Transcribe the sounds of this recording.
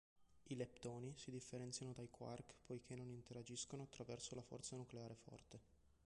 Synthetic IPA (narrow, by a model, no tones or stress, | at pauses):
ilept̪oːnisid̪ifːeɾɛnt̪sjanod̪ajkwa̰rkpʰojk̟ʰenːonint̪eɾad͡ʒiskonoat̪ːɾavɛrsolafɔ̰rt̪sanukleaːɾefɔ̰rt̪e